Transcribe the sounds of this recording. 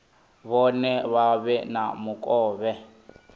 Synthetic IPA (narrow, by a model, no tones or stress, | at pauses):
βɔnɛβaβɛnamukʼɔːβɛ